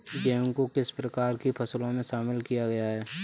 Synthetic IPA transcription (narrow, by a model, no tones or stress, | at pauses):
d͡ʒeːŋkokɪspɾɐkaːɾkipʰɐslõmẽʃaːmɪlkijaɡɐjaɦɛː